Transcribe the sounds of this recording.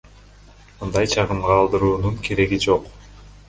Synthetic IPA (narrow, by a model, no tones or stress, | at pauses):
mɯnd̪ɑjt͡ʃʰɑʁɯmʁɑːlˠd̪ɯɾuːnuɴkʰe̞ɾe̞ɡid͡ʒo̞q